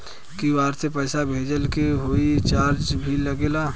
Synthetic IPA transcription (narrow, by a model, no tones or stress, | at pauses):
kiʋaːɾsepɛɪsabʱeːd͡ʒəlkeɦoːit͡ʃaːɾd͡ʒbʱiləɡeːlaː